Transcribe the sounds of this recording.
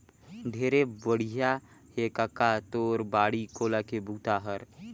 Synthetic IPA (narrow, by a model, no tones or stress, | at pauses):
d̪ʱeːɾebəɽ̤ija | hekakat̪oːɾbaːɽikoːlakebʱuːt̪aɦəɾ